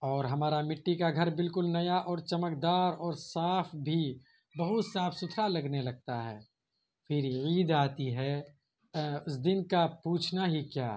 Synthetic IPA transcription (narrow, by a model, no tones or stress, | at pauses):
ɔːɾɦɐmaːɾamɪʈːikaɡʱɐɾbɪlkʊlnɐjaʔɔːɾt͡ʃɐməkd̪aːɾɔːɾsaːpʰbʱi | bɐɦʊt̪saːfʰsʊt̪ʰɾalɐɡnelɐɡ̚t̪aɦɛː | fʰɪɾiːd̪aːt̪iɦɛ | ʊsd̪ɪnkapuːt͡ʃʰnaɦikjaː